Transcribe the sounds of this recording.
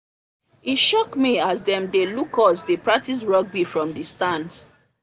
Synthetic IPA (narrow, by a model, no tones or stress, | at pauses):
iʃɔkmiasdɛ̃mdelukɔsdepɹak̚tis̬ɹɔɡ̚bifɹɔ̃mdistãns